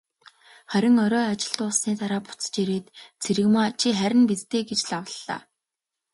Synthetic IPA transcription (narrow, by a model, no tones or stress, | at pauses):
χæɾʲɪ̆ŋɔɾɔːat͡ɕɪ̆ɮt̪ʊːsniːt̪aɾaːpʊ̥t͡st͡ɕeɾeːt̪t͡sʰeɾɘ̆ɣmaːt͡ɕʰiχæɾʲɪ̆npit͡st̪eːɡet͡ɕɮawə̆ɮːa̰ː